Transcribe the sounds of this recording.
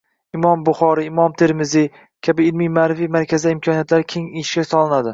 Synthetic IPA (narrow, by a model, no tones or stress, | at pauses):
ɪmɒmbʊχɒɾɪːmɒmt̪ʰe̞ɾmɪzi | kʲʰabɪːlmijmaːɾɪfijmaɾkʰʲazɪd̪aɪmkʲʰɒnijat̪laɾkʲʰe̞ŋijʃɡʲasɒlˠɪnad̪ɪ